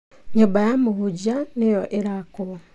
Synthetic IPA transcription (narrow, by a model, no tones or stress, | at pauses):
ɲubajamuhuɟanijoʔeɾaku